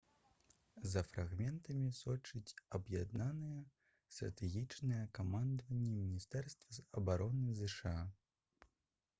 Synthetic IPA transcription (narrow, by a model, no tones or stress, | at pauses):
zɐfɾʔaɣmʲɛnt̪ɐmʲisɔt͡ʂɨt͡sʲɐbjad̪nanɨjɛ | st̪ɾɐ̰t̪ɛɣʲit͡ʂnɨjɛkamand̪vɐnʲːɛmʲinʲist̪ɛrst̪vɐɐbaɾɔnɨzɨʂɨa